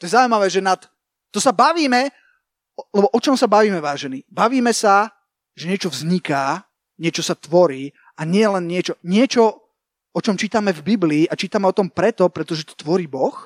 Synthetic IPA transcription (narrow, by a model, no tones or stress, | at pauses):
t̪ɔjɛzauimaʋɛːʒɛnat̪ː | ɔsabaʋiːmɛ | lɛbɔʔɔt͡ʃɔmsabaʋiːmɛʋaːʒɛnibaʋiːmɛsa | ʒɛɲɪɛt͡ʃɔvzɲikaː | ɲɪɛt͡ʃɔsat̪ʋɔɾiː | aɲɪɛlɛnɲɪɛt͡ʃɔɲɪɛt͡ʃɔ | ɔt͡ʃɔmt͡ʃiːt̪amɛvbibliːʔat͡ʃiːt̪amɛɔt̪ɔmpɾɛt̪ɔpɾɛt̪ɔʒɛt̪ɔ̥t̪ʋɔɾiːbɔx